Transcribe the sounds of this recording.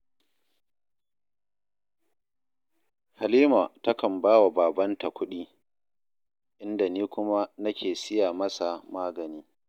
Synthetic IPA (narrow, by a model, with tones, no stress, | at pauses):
ha˨liː˦ma˨tɐ˦kɐ˨mbaː˦wa˨baː˨bɐ˦nta˨kʷʊ˦ɗiː˦ | ʔɪ˦nda˨niː˦kʷʊ˦ma˦nɐ˦kʲʰeː˨sɪ˦jaː˨mɐ˦sa˨maː˦ɡɐ˨niː˦